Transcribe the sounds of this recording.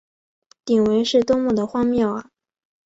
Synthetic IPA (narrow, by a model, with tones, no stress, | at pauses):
t̪i˨˩ŋwe˧˥ɪʂɻ̩˥˩t̪ʊ˥ŋmu˥˩d̪ə˩xwɑ˥ŋmjɑ˥˩ʊɐ˨˩